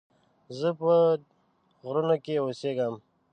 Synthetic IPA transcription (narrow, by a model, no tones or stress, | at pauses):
zəpə | ɣɾunokeoseɡəm